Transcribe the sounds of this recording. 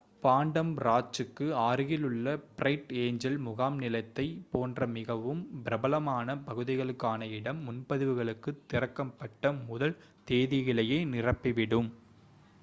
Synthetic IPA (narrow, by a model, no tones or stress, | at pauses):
paːɳɖɐmɾaːt͡ʃːɯkːɯaːɾɯɣɪlɯɭːɐprɐɪʈeːɲd͡ʒɐlmʊɣaːmnɪlɐɪt̪ːɐɪpoːndrɐmɪɣɐʋɯmbɪɾɐbɐlɐmaːnɐpɐɣɯðɪɣɐɭɯkːaːnɐɪɽɐmːʊnpɐðɯʋɯɣɐɭɯkːɯt̪ːɪrɐkːɐpːɐʈːɐmʊðɐl | t̪eːðɪɣɪɭɐjɐɪnɪrɐpːiɪʋɪɽɯm